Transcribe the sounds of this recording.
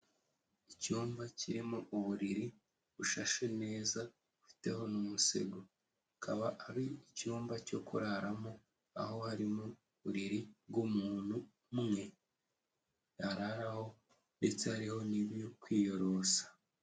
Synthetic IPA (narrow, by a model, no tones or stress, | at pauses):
icuːmbacʰiɾimoʔuβuɾiɾi | βuʃaʃene̞ːza | ufi̥te̞ho̞numusḛɡo | akʰaβaʔaβiicuːmbaco̞kṵɾaɾamo̞ | a̰ho̞haɾimo | βuɾiɾibɡumuːn̥hu | mŋe̞ | aɾaɾaho̞ | nde̞t͡se̞haɾiho̞niβjokwiːjo̞ɾo̞sḁ